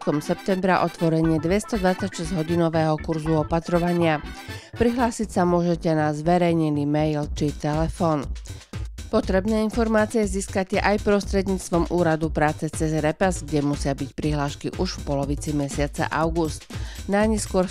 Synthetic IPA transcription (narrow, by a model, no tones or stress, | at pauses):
k̪ɔmsɛp̚t̪ɛmbɾaʔɔt̪ʋɔɾɛɲɪɛd̪ʋɛst̪ɔd̪ʋat͡sacʃɛzɟɦɔɟinɔʋɛːɦɔkuɾzuɔpat̪ɾɔʋaɲɪapɾiɦlaːsicsamʊɔʒɛcɛnazʋɛɾɛjɲɛnimɛjlt͡ʃit̪ɛlɛfɔːn | pɔt̪ɾɛbnɛːinfɔɾmaːt͡siɛziːskacɛʔajpɾɔst̪ɾɛd̪ɲiːt͡st̪ʋɔmʔuːɾad̪upɾaːt͡sɛt͡sɛzɾɛpazɡɟɛmusɪabicpɾiɦlaːʃkḭʔuʃfpɔlɔʋit͡simɛsɪat͡sa̰ʔaʊɡust̪naɲɛskʊɔɾ